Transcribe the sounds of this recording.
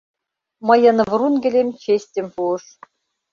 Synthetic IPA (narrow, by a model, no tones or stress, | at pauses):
mɤ̆jɤ̆nɤ̆vrunɡʲɘ̆lʲemʲt͡ɕesʲtʲɘ̆mʲpuɤ̆ʂ